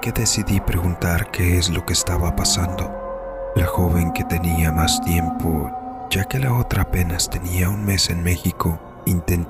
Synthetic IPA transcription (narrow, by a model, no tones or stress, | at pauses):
ke̞ðe̞siðipɾe̞ɣunt̪aɾke̞eslo̞ke̞ːst̪aβapasand̪o̞ | laxo̞βe̞ŋke̞t̪e̞niamast̪je̞mpʰo̞ʝake̞lao̞t̪ɾaːpe̞nast̪e̞niaunme̞se̞nme̞xiko̞ | int̪e̞n